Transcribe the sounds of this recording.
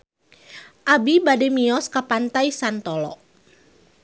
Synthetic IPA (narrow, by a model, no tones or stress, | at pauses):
ʔabibadɛmiɔskapant̪aisant̪ɔlɔ̰